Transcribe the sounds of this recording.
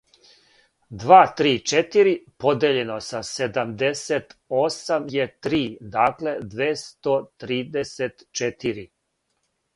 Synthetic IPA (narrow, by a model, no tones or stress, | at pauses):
d̪ʋaːt̪ɾiːt͡ʃet̪iɾipod̪eːʎeno̞sased̪amd̪eset̪osamjet̪ɾiːd̪aːkle̞d̪ʋeːst̪ot̪ɾiːd̪eset̪t͡ʃet̪iɾi